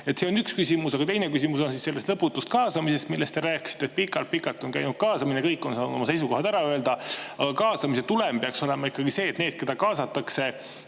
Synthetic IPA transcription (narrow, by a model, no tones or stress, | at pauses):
e̞t̪se̞o̞nykskysimusɑɡ̥ɑt̪e̞jne̞kysimuso̞nsisse̞lːe̞st̪lɤpːut̪ːˑust̪̚kɑːsɑmise̞st̪milːe̞st̪e̞ɾæːki̥si̥t̪ːet̪̚pikːɑlt̪̚pikːˑɑlt̪ːˑo̞nkæjnud̪̥̚kɑːsɑminekɤjkːˑo̞nsɑːnud̪̥o̞mɑse̞js̬uko̞hɑd̪æɾɑøeld̪̥ɑɑɡ̥ɑkɑːsɑmiset̪ulempeɑksole̞mɑikːɑɡise̞ːt̪neːd̪̥̚ke̞d̪ɑkɑːsɑt̪ːˑɑkse̞